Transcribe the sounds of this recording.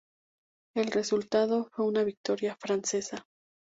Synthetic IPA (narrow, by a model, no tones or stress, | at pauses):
e̞lre̞sult̪aðo̞fwe̞unaβik̚t̪o̞ɾjafɾanse̞sa